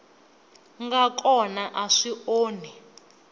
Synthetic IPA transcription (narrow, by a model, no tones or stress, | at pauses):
ŋɡakʼɔnaʔaʂiʔoːnɛ